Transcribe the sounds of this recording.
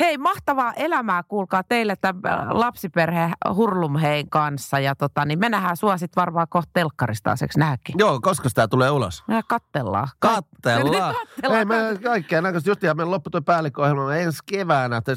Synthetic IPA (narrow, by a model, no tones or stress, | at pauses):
heimɑht̪ɑʋɑːʔelæmæːkuːlkɑːt̪eilet̪ːælɑpsiperhehurlumheiŋkɑnsːɑjɑt̪ot̪ɑnimenæhæːsuɑsit̪ʋɑrʋɑːkoht̪̚t̪elkːɑrist̪ɑ̰ˑːsḛksnæːkːijoːkoskɑsi̥t̪æt̪uleːulo̰smækɑt̪ːelːɑ̰ːkɑt̪ːelːɑkɑtːeleimækɑikːeːnækøst̪just̪iːhɑmenlopːut̪oipæːlːˑikːohelmɑenskeʋæːnæt̪ːæ